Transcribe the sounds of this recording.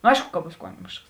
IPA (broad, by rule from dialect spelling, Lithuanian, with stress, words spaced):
noː ˈɐɪʃkʊ kɐ ˈbuːs ˈkuɔmʲɪʃks